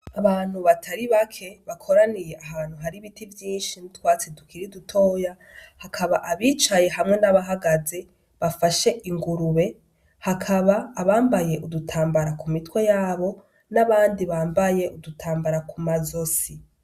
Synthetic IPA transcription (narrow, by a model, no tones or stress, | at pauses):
aβaːn̥huβatʰaɾiβakʰe̞βakʰo̞ɾanije̞ʔaɦaːn̥huɦaɾiβitivjiːnʃinitwaːt͡sedukʰiɾidutʰo̞ːja | hakʰaβaʔaβiːt͡ʃaje̞ɦamŋe̞naβaɦaɡaze̞ | βafaʃe̞ʔiŋɡuɾuβe̞ | hakʰaβaːβaːmbaje̞ʔudutʰaːmbaɾakumitwe̞jaːβo̞ | naβaːndiβaːmbaje̞ʔudutʰaːmbaɾakʰumazo̞si